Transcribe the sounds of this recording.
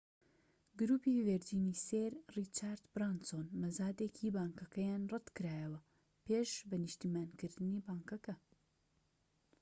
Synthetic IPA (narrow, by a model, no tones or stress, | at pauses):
ɡɨɾuːpiːveɾd͡ʒiːniːseːɾrit͡ʃaːɾd̪bɾansonmɐzaːd̪eːkʰiːbaːŋkɐkɐjaːnrɐt̪kɨɾaːjɐwɐ | peːʃbɐnɨʃt̪iːmaːnkɨɾd̪ɨniːbaːŋkɐkɐ